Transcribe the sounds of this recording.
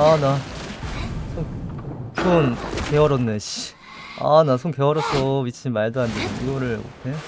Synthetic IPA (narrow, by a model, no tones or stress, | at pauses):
ana | sʰo | sʰonkeɦʌɾʌnːeɕi | a̰nas̬ʰonkeɦʌɾʌsʰʌbit͡ɕʰimaɭdoandeɡiɡʌɾɯɭo̰tʰe